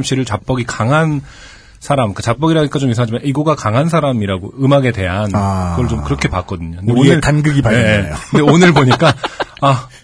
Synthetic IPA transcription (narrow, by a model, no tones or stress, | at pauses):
mɕ͈iɾɯɭt͡ɕap̚p͈ʌɡikaŋɦan | sʰaɾamk͈at͡ɕap̚p͈ʌɡiɾaik͈at͡ɕomis̬ʰaɦad͡ʑimaiɡoɡakaŋɦansʰaɾamiɾaɡoɯmaɡe̞te̞ɦanɯɡʌɯɭt͡ɕomkɯɾʌkʰe̞pak͈ʌdɯɲoɯndeonɯɭtanɡɯɡipaeejokɯnde̞onɯɭboɲik͈aa